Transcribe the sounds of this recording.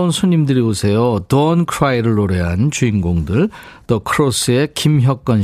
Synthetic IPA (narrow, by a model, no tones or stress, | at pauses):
unsʰuɲimdɯɾiosʰe̞jotʌnkʰɯɾaiɾɯɭːoɾeɦant͡ɕuinɡoŋdɯɭ | tʌkʰɯɾos͈ʰɯe̞kimçjʌk͈̚ʌn